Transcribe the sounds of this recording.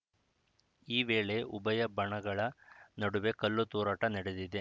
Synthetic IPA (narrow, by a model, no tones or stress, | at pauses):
iːʋeːɭe̞ubɐjɐbɐɳɐɡɐɭɐnɐɽuʋe̞kɐlːut̪uːɾɐːʈɐnɐɽed̪id̪e̞